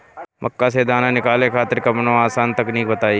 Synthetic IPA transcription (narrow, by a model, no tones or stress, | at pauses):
mɐ̰kːased̪aːnanɪkaːlẽkʰaːt̪ɪɾkɐmnõaːsaːnt̪ɐkniːk̚bət̪aːi